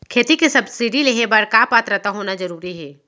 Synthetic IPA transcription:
kʰeːt̪ikesɐbsɪɖileɦebəɾkaːpaːt̪ɾət̪aɦoːnad͡ʒɐɾuːɾiɦɛː

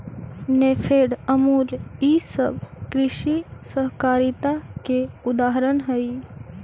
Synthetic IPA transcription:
nepʰeːɽəmuːliːsə̰bkɾɪʃisəɦkaːɾit̪akeʊd̪aːɦəɾənɦəi

